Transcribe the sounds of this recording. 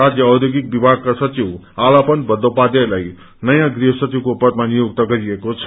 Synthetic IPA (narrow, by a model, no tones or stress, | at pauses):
ad͡zjʌːwd̪joɡik̚bibʱaɡ̚kasʌt͡ʃiw | alapʌnbʌd̪ʱopad̪elaj | nʌjãɡriɦʌsʌt͡ʃiwkopʌt̪manijoɡt̪ʌɡʌɾiekot͡sʰʌ̥